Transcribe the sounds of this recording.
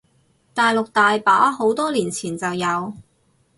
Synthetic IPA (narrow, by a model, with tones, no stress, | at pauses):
t̪aː˨jlʊ˨k̚t̪aː˨jpaː˨˥ɦo˨˥wt̪ɔː˥liː˨˩nt͡sʰiː˨˩nt͡sɐ˨wjɐ˨˧w